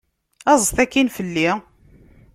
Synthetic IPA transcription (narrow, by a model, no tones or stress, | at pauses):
ɑzˤəθækːinfəlːi